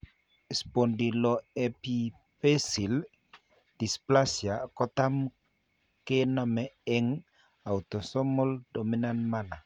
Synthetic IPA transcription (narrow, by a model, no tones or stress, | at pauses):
ispondilɔɛpi | pesil | d̥isplasjakɔtam | kenamɛɛŋ | awt̪ɔsɔmɔldominanmana